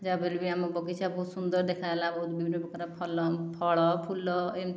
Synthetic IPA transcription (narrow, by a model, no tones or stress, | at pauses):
d͡ʒabelbiamɔbɔkit͡ʃʰabɔsund̪ɔɾd̪ekʰajlãbɔɦut̪bibʱinːɔbɔkaɾapʰɔlɔpʰɔɭɔpʰulɔem